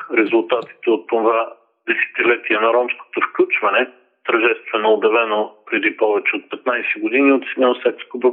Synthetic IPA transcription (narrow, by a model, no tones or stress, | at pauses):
ɾɛzʊlˠt̪at̪i̥t̪ɛot̪ːova | d̪ɛsɛ̥t̪ilɛt̪iɛnɐɾɔmsko̥t̪ofklʲut͡ʃvɐnɛ | t̪ɐɾʒɛst̪vɛnoːbjɐvɛnopɾɛd̪ipɔvɛt͡ʃɛot̪̚pɛt̪najsɛɡod̪iniot̪smɛosɛkskobɾo